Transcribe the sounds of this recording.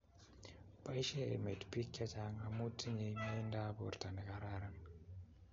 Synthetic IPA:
pa˦i˦ʃe˦ḛ˨me˨tpi˦kːa˦t͡ʃa˦ŋa˨mu˦tʰːi˦ɲe˨ma˦nda˦bo̰˨ɾta˨ni˨ka˦ɾa˦ɾa˦ŋ

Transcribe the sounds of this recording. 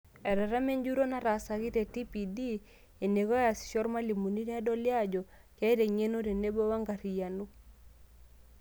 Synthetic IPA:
ɛ˨ɾɛ˨ɾa˦me˦ɲd͡ʒu˦ɾo˦na˦ɾa˨sa˨ɣi˦te˨ti˦pi˨di˦ | e˨ne˨ɣɔ˦ja˨si̥˨ʃɔ˦ɾma˦li˨mu˨ni˦ɾa˦dɔ˦lja˦d͡ʒɔ˨ | kɛ˦ɾe˨ɲe˦no˦ɾe˨ne˦bo˦wa˦ŋɡa˨ɾi˨ja˨nu˦

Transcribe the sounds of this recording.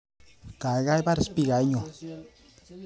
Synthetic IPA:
ka˨˦ɣa˦jba˦ɾspi˦˨ɡa˨i˦ɲo˨

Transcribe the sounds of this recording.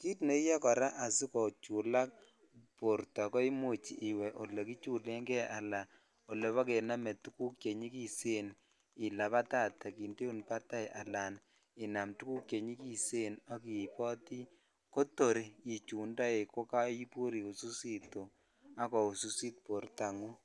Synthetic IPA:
ki˦tne˨˦i˦ja˦kɔ˨ɾa˦ʔa˨si˦kɔ˨t͡ʃu˨la˦k | po˨ɾtɔ˨kɔ˦i˦mu˦t͡ʃḭ˨ʔɪ˨wɛ˨ʔo˨le˨ki˦t͡ʃu˦le˦ŋɡɛ˦ʔa˨la˨ | o˨le˨βa˦ke˨na˦mɛ˨tu˦ku˦kje˨ɲi˦ki˦se˦n | ɪ˨la˨pa˦ta˦˨ta˨ki˨nte˦u˦˨npa˦ta˦jʔa˨la˨n | ɪ˨na˨mtu˦ku˦kje˨ɲi˦ki˦se˦na˦k̬i˨pɔ˦ti˦ | ko˦to˨ɾi˨i˨t͡ʃu˨nda˦e˨ko˦ka˦i˦pu˦ɾi˨u˨su˦si˦to˨ | a˦kɔ˨u˨su˦si˦t̚po˨rta˨ŋu˦

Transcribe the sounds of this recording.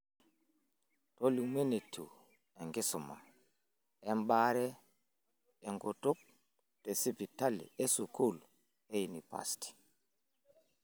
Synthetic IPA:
toli˨me˦ne˨tʰːṵ | ɛ˨ŋɡi˦sumːa̰˨ | ɛmɓaɾɛ˦ | ɛ˨ŋɡo˨tu˦k̚ | tɛ˨si˦pi˨ta˦lḭ˨e˦su˨kʰu˦˨l | e˦jini˨pa̰sti̥

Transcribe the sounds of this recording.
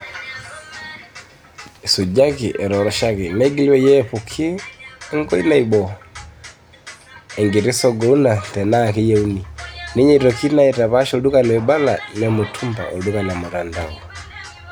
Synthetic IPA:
su˨d͡ʒa˦ki˨ʔɛ˨ɾɔ˨ɾɔ˦ʃa˦ki˨nɛ˦ɡi˦liwɛ˦jɛ˦pu˨kʰi˦ŋɡɔ˦i˦na˨i˨ɓɔ | ɛ˨ŋɡi˨ɾi˦sɔ˦ɡɔ˨u˦na˨tɛ˨na˦ki˦jɛ˦u˦ni˨ni˦ɲɛ˦i˨ɾɔki˦na˦ɛ˨ta˨βa˦ʃɔ˨lu˦ka˦nɛ˨ɛ˨ba˦la˨nɛ˨mo˨tʰu˦mba̰˨ʔɔ̰˨lu˦ka˨na˨mo˨ɾa˨nda˨ŋɡɔ

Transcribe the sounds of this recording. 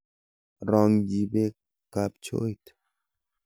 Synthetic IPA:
ɾɔ˨ŋd͡ʒi˨be˦ | ka˨p̚t͡ʃo̰˦jt

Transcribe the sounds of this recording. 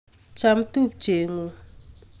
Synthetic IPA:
t͡ʃa˦mtu˦˨p̚d͡ʒe˨ŋu˨

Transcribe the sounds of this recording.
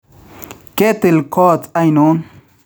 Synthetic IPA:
ke˦t̪ɪ˨lko˦t͡sa˦jnon

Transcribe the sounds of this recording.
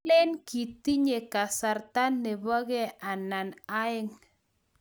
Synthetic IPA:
lɛ˦nki˨t̪i˦ɲe˨ka˨sa˨rt̪a˦nːe˨βɔ˦ɣɛ˦a˨na˨na˦ɪ˦ŋ

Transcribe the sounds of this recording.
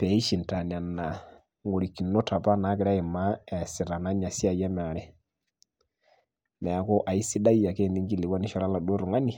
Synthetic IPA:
pɛ˨˦i˦ʃi˨n˨ta˨nja˨na˨ | ŋo˨ɾi˨ki˨no˦ta˨pa˦na˨˦kɪ˨ɾa˦e˨ma˦ɛ˨si˨ɾa˨na˦ɲa˨sja˦˨jɛ˦m˨a˨ɾɛ˦ | mɛ˨a˨ko˦ʔa˨i˦si˦da˦i˦a˨ke˦˨ndi˦ŋɡi˦le˨wa˦ni˦ʃɔ˦ɾa˦la˨do˦ɾu˨ŋa˦ni˨

